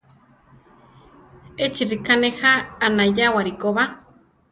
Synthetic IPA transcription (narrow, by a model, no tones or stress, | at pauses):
et͡ʃiɾikanehaːnajawaɾikoβa